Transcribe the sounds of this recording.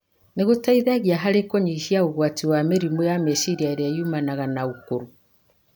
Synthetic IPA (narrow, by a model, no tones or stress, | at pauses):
neɣotaiðaɣiaɦaɾekɔɲiʃiauɣwatiwameɾimwejameʃiɾiaeɾaiumanaɣanaukuɾu